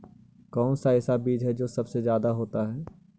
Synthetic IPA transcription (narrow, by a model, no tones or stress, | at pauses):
kɔːnsaɪːsabiːd͡ʒɦɛd͡ʒoːsɐbsezjaːd̪aɦoːt̪aɦɛː